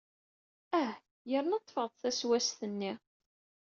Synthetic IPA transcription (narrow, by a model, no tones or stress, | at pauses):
æh | jəɾənɑt̪ˤːfəʁðˤθæswæsθənːi